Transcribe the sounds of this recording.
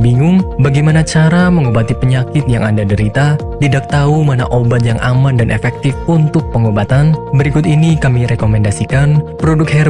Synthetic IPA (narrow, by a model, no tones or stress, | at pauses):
biŋʊŋbaɡajmanat͡ʃaɾaməŋobat̪ipəɲakɪt̪̚ja̰ŋandadəɾit̪a | t̪idak̚t̪aumana̰ʔobat̪̚jaŋʔa̰mandanʔḛfɛk̚t̪ɪfunt̪ʊk̚pəŋobat̪anbəɾikʊt̪inikamiɾekomɛndasikanpɾodʊk̚hɛ